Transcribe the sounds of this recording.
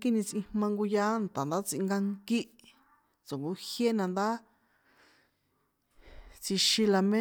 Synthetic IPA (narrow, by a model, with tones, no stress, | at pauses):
ki˦˧nĩ˧t͡sʔĩ˧hmã˧ŋɡu˧ja˦nt̪a˨nd̪a˦t͡si˧ŋɡa˧ŋki˦ʔ | t͡so˨ŋɡu˧hje˦nã˧nd̪a˦ | t͡si˧ʃĩ˧la˧mẽ˦